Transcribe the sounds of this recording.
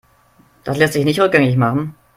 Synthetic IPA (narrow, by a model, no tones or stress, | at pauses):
d̥aslɛstz̥ɪçnɪçtʁʏk̚ɡ̥ɛŋɪç̬maχn̩